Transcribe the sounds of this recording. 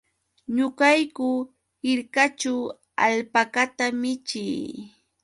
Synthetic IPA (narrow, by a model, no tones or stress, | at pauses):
ɲʊkajkʊ | hɪɾkat͡ʃaw | aʎpakat̪amɪt͡ʃɪj